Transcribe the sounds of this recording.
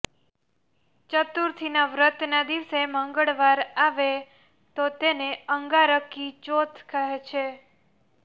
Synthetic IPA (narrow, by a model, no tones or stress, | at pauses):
t͡ʃət̪uɾt̪ʰinaʋɾət̪nad̪iʋseməŋɡəɭʋaɾaʋe | t̪ot̪eneəŋɡaɾəkit͡ʃot̪ʰkəɦet͡ʃʰe